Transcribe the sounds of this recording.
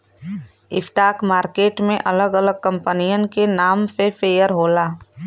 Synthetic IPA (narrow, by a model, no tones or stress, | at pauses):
ɪfʰʈaːkmaːɾkeːʈmẽʔɐləɡələɡ̚kə̃mpənijənkenaːmsefeːjəɾɦoːlaː